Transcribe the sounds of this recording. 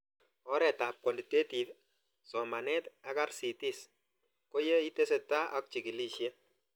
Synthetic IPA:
ɔ˦ɾɛ˨ta˨p̚kwɔ˨li˨te˦ti˨t | sɔ˨ma˨nɛ˦t̪a˦ka˦ɾsi˨ti˦s | ko˦je˦i˦te˦se˨tːa˦ʔɔ˦k̚t͡ʃi˨ki˨li˦ʃe˦

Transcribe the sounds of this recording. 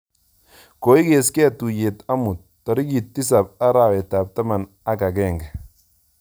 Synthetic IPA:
ko˨i˦ke˨skɛ˦tu˨je˨ta˦mu˨t̚ːɔ˨ɾi˦ki˨tːi˦s̬a˨p̚a˦ɾa˨we˨ta˨p̚ta˦ma˨n | a˦ka˨kɛ˦˨ŋɡa˨

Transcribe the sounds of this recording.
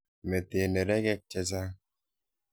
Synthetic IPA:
me˨t̪e˨ne˨ɾɛ˦kɛ˦k̚t͡ʃːɛ˦s̬a˦

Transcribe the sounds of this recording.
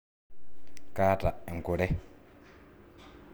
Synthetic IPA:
kaː˦ta˨ɛ˨ŋ˨ku˨ɾɛ˦

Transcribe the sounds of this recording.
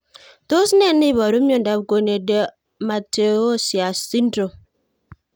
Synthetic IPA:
to˦sne˦˨ni˦βɔ˨ɾu˦ɲo˦˨n̩˨da˨b̚ko˨ne˨de˦ | ma˨te˨o˦˨sja˨si˦n˦dɾo˨

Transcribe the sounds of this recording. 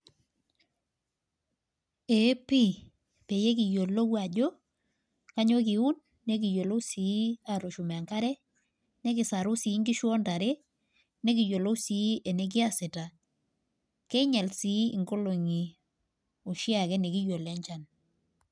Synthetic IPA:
e˨˦pi˦ | pe˨je˦ki˨jo˨lo˦kwa˨ɟo˦ | ka˦ɲo˦k̬i˨u˦nː | e˦k̬i˨jo˨lo˦si˨˦a˨ɾo˨ʃu˨m˨ŋka˦ɾɛ˦ | nɛ˦kɪ˨sa˨ɾʊ˦si˨˦ŋɡi˦ʃwɔ˦nta˨ɾe˦ | ne˦ki˨jo˨lo˦si˨˦e˨ne˨˦k̬ɪ˦a˨sɪ˨ta˨ | kɛ˦ɲɛ˨lsi˨˦ḭ˨ŋɡo˦lo˨ŋi˨ | o˨ʃi˦a˨kɛ˦ne˨ki˦jo˨lɛ˦ɲt͡ʃa˨n

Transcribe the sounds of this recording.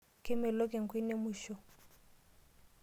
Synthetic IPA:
kɪ˦mɛ˨lo˦ke˨ŋ̩˨kʰwi˦ne˦mu˨ʃɔ˨

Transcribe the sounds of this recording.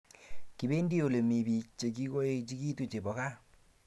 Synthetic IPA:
ki˨βe˦ndi˦o˨le˨me˨βi˨t͡ʃe˨ki˦ɣo˦e˦t͡ʃi˦ki˦tu˦t͡ʃe˨βɔ˨ka˦

